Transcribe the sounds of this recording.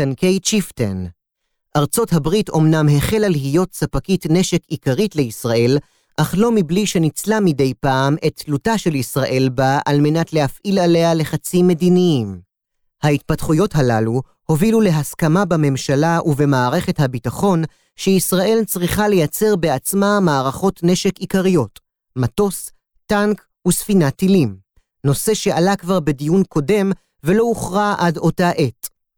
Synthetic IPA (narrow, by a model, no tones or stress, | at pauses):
tanke̞jt͡ʃiftḛn | ʔaʁt͡so̞thabʁito̞mnamɦe̞χe̞laliɦijo̞tsapakitne̞ʃe̞kikaʁitle̞isʁaʔe̞l | ʔaχlo̞mibliʃe̞nit͡slamide̞jpaːme̞tːlutaʃe̞lisʁaʔe̞lbaʔalme̞natlehafʔilale̞ale̞χat͡sime̞diniim | hait̚patχujo̞tɦalalu | ho̞vilule̞ɦaskamabame̞mʃalaʔuve̞maːʁe̞χe̞thabitaχo̞n | ʃeisʁaʔe̞lt͡sʁiχale̞jat͡se̞ʁbe̞at͡smamaːʁaχo̞tne̞ʃe̞kikaʁijo̞t | mato̞s | taŋk | usfinatilim | no̞se̞ʃe̞ʔalakvaʁbe̞dijunkʰo̞de̞m | ve̞lo̞uχʁaʔado̞taʔe̞t